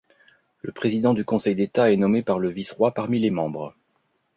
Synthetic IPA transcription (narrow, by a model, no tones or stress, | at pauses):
ləpχezid̪ɑ̃d̪ykɔ̃sɛjd̪et̪aɛnɔmepaʁləvisʁwapaʁmilemɑ̃bʁ